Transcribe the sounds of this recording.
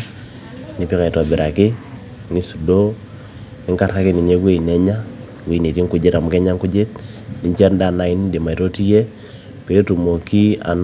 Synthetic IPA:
ni˨pi˦ka˨i˨tɔ˨bi˨ɾa˨kɪ˦ | ni˦su˨do˦ | nɪ˦ŋka˨ɾa˦ki˦ni˨ɲe˦ɡwe˦i˨nɛ˨ɲa˦ | ɡwe˨˦i˨ne˨ti˦ŋku˨d͡ʒe˦ta˨mʊ˦kɛ˦ɲa˦ŋku˦d͡ʒe˦t̚ | ni˨ɲt͡ʃi˦a˦nda˦˨na˨ɪ˦n˦de˨ma˨to˦ti˦je˦ | pe˨˦tu˨mo˨ki˦a̰˨n

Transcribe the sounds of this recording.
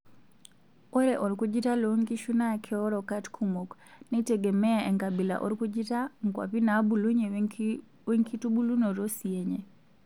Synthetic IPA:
o˦ɾɛ˨ʔɔ˨ɾku˦d͡ʒi˦ta˦lo˦ŋki˦ʃu˦na˦˨kʰɛɔ˦ɾɔ˨ka˦tkʰu˦mo˨knɛ˦tɛ˨ɡɛ˨mɛ˦aɛ˨ŋka˨bi˨la̰˨ʔɔ̰˦ɾku˦d͡ʒi˦ta˦ŋ̩˨kwa̰pi˦na˦bu˨lu˦ɲe˨ | we˦ŋki˦tu˦bu˦lu˦no˨ɾo˦sie˨ɲe˨

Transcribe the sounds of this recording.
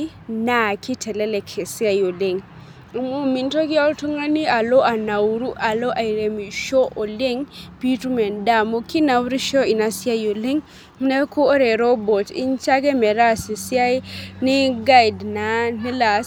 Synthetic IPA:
na˨ki˦tʰɛ˨le˦le˨kʰe˨si˦a˨jo˨le˦ŋ˨ | mu˦mi˨nto˦ki˦a˦lto˦ŋa˦ni˦a˨lo˦ʔa˨na˨wɾu˦ʔa˨lo˦ʔa˨i˨ɾe˨mi˨ʃo˦ʔo˨le˦ŋpi˦tu˦me˨nda˦mo˦ki˦na˨wɾi˦ʃo˦i˨na˨si˦a˦jo˨le˦ŋ | ne˦ko˦o˦ɾe˨ɾo˦bo˨tḭ˦nt͡ʃa˦ɡe˦me˨ɾa˦si˨si˦a˦jni˦ɡai˨dna˨ni˦la˨s

